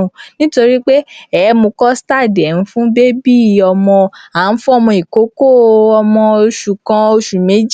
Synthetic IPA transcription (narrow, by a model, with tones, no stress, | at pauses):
nĩ˦to˧ɾi˦k͡pe˦ɛ˨˦mo˧kɔ˦sta˦˨dɛ˨n̩˨˦fũ˦be˦bi˦˨ɔ˧mɔ̃˧a˨˦n̩˦fũ˦ɔ˧mɔ̃˧i˨ko˨˦ko˦˨ɔ˧mɔ̃˧o˧ʃu˨kã˧o˧ʃu˨me˨˦d͡ʒ